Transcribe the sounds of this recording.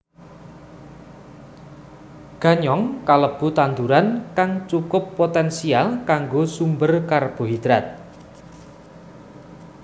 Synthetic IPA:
ɡ̥a̤ɲɔŋkaləb̥ṳt̪ant̪uɾankaŋt͡ʃukʊpːot̪ɛnsialkaŋɡosumbərkarb̥o̤ɦid̪̥ɾat̪̚

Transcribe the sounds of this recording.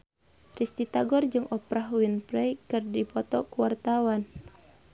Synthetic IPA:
rist̪it̪aɡɔrd͡ʒɨŋʔɔpɾahwinpɾɛjkɨrdipɔt̪ɔkuwart̪awan

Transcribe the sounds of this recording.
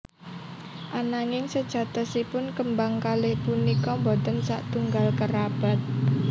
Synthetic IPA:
ʔanaŋɪŋsəd̥ʒ̥a̤t̪ɔsipʊnkəmbaŋkalepunikɔmbɔt̪ənsaʔt̪uŋɡalkəɾab̥a̤t̪̚

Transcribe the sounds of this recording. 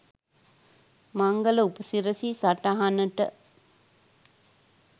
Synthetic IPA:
maŋɡələupəsiɾəsisaʈaɦanəʈə

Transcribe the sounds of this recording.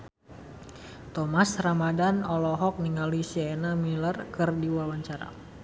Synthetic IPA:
t̪ɔmasramadanɔlɔɦɔk̚niŋalisiaenamilərkɨrdiwawaɲt͡ʃaɾa̰

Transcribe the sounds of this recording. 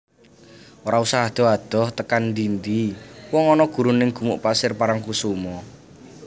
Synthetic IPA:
oɾausaɦad̪̥ɔ̤ad̪̥ɔ̤ht̪əkanɳdind̪iwɔŋɔnɔɡ̥ṳɾunɪŋɡ̥ṳmuʔpasɪrpaɾaŋkusumɔ

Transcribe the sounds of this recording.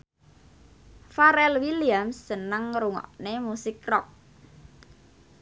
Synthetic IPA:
faɾɛlwiliamsːənəŋɾuŋɔ̰ʔnemusɪkrɔk̚

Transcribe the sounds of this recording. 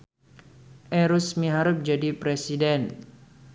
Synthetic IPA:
ʔɛɾusmiɦaɾʊp̚d͡ʒadipɾesidɛn

